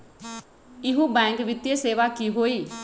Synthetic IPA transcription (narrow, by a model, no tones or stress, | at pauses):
ɪɦũːbɛ̃ːŋkʋɪt̪jeseːʋakiɦoːiː